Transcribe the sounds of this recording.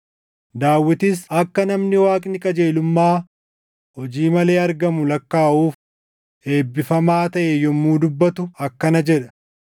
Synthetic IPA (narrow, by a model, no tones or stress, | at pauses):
d̪aːwːɪt̪ɪs̬ɐkːɐnɐmnɪwaːkʼnɪkʼɐd͡ʒeːlʊmːaː | hɔd͡ʒiːmɐle̞ːɐɾɡɐmʊlɐkːaːʔuːf | e̞ːbːɪfɐmaːt̪ɐʔejɔmːuːd̪ʊbːɐt̪ʊɐkːɐnɐd͡ʒɛᶑɐ̥